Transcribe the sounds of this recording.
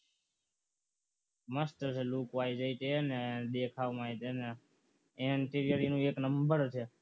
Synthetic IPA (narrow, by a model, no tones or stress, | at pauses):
məsʈəɾseluːkʋaːid͡ʒəit̪eəneɗ̪ekʰaːʋmait̪ene | ɪɳʈiɾijəɾinũːeːknəmbəɾt͡ʃʰe